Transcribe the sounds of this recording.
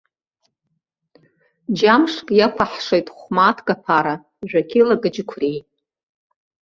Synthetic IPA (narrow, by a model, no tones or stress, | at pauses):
d͡ʒamʂkʼjakʷʰaħʂejtʼχʷmatʰɡapʰaɾa | ʒᶣʷakʲʰilaɡɨd͡ʒɪkʷʰrij